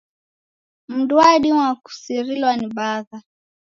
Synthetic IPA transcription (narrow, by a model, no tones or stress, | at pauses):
m̩dwaɗimwaku̥siɾilwaniɓaða